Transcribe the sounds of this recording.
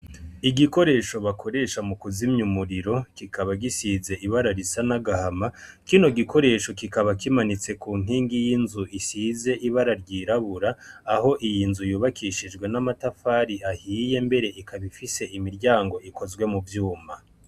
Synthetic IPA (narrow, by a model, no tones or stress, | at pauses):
iɡiko̞ɾe̞ːʃo̞βakʰo̞ɾe̞ːʃamukuzimɲumuɾiɾo̞kikʰaβaɡisize̞ʔiβaɾaɾisanaɡahama | kino̞ɡikʰo̞ɾe̞ːʃo̞kikaβakimanit͡se̞kuːŋ̥iːŋɡijinzuʔisize̞ʔiβaɾaɾɟiːɾaβuɾaːho̞ʔijinzujuːβakʰiʃid͡ʒɡwe̞namatafaːɾiahiːje̞mbe̞ɾe̞ʔikaβifise̞imiɾɟaːŋɡo̞ʔiko̞zɡwe̞muvjuːma